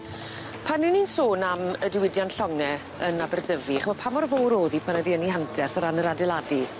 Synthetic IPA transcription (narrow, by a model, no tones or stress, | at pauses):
pʰanːiniːnsoːnamədɪwɪdjanɬɔŋɛ | ənabɛrdəviaχmɔpʰamɔrvowɾoːðipʰanəðiənihandʰɛrθɔɾanəɾadɪlˠadi